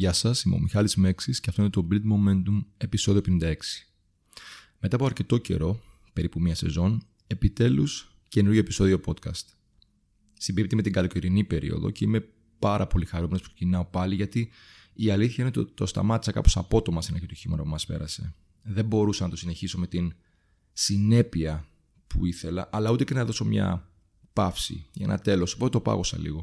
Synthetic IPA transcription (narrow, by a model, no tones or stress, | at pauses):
ʝɐsɐsimo̰mixɐlizme̞ksisceɐft̪oinet̪o̞bild̪moment̪uŋe̞piso̞ðiopenind̪ɐe̞ksi̥ | met̪ɐpoɐɾce̞t̪o̞ce̞̰ɾo̞ | pe̞ɾipumiɐse̞zo̞n | e̞pit̪e̞lus | ce̞nuɾʝoepi̥so̞ðio̞po̞t̪kɐ̰st̪ | simbip̚t̪emet̪iŋɡɐlokiɾinipe̞ɾḭo̞̰ðo̞̰ce̞ime̞ | pɐɾɐpo̞lixɐɾumenopu̥ksecinɐo̞pɐliʝɐt̪iː | ɐliθçɐinet̪t̪ost̪ɐ̰mɐt̪isɐkɐ̰po̞sɐpo̞t̪o̞mɐst̪inɐçit̪uçimɐɾɐpumɐspe̞̰ɾɐse̞ | ðe̞mbo̞ɾusɐnɐt̪o̞sine̞çiso̞me̞t̪in | sine̞piɐ | pʰuiθe̞lɐʔɐlɐut̪e̞cenɐðo̞so̞mɲɐ̰ | pɐfsḭʝɐḛnɐt̪e̞lo̞so̥po̞t̪et̪opɐ̰ɣosɐ̰lḭɣo̞